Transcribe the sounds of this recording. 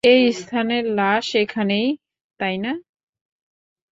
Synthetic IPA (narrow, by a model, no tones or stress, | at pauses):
ejist̪ʰanelaʃekʰanej | t̪ajna